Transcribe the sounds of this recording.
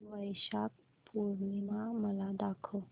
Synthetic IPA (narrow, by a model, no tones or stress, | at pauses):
ʋəjʃak̚ | puɾnimaməlad̪akʰo